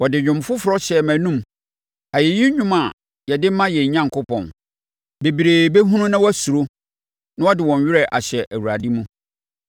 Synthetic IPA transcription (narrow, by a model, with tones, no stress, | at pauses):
wɔ˨dɪ˨ɲᶣʊ̃˨mfʊ˦fʊ˨ɾɔ˦ɕɛ˨mæ̃˨nũ˦m | a˨je˨ji˦ɲᶣʊ̃˦ma˨ | jɛ˨dɪ˦mã˦jɛ˨ɲ̩˨ɲã˦ŋ˨kʊ˦pʰɔ̰̃˨n | be˨bi˨ɾe˨be˦ɦũ˦nũ˦nã˦wɔ˦æ˦su˨ɾo˦ | nã˦wɔ˦dɪ˨wɔ̃˨ɲ˨ɥɪ˦ɾɛ˨ʔa̰˨ɕɛ˨ʔæ˨wu˨ɾa˨di˦mũ˦